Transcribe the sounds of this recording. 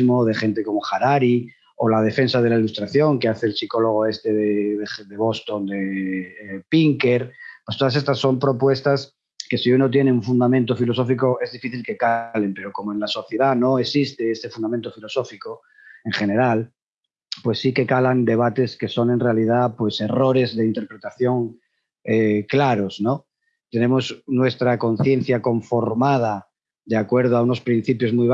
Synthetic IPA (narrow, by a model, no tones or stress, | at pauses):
moðe̞χe̞nt̪e̞ko̞mo̞χaɾaɾi | olað̞e̞fe̞nsaðe̞lailust̪ɾaθjo̞ŋkeaθeːlsiko̞lo̞ɣ̞oe̞st̪e̞ðeðeðe̞βo̞st̪o̞nd̪e | piŋke̞ɾpwest̪oas̬e̞st̪asːo̞mpɾo̞pwe̞st̪as | ke̞siunot̪je̞neuɱfund̪amẽnt̪o̞filo̞sofiko̞e̞zðifiθilke̞kale̞mpe̞ɾo̞ko̞moe̞nlaso̞θje̞ðano̞esist̪e̞est̪e̞fund̪amẽnt̪o̞filoso̞fiko | e̞ŋχe̞ne̞ɾal | pwe̞sːike̞kaland̪e̞β̞at̪e̞ske̞so̞ne̞nrealið̞apwe̞se̞ro̞ɾe̞zðe̞int̪e̞ɾpɾet̪aθjo̞ŋ | eklaɾo̞sno | t̪e̞nẽ̞mo̞snwe̞st̪ɾako̞nθjẽ̞n̟θjako̞ɱfo̞ɾmað̞a | d̪eakwe̞ɾð̞oauno̞spɾin̟θipjo̞zmujβ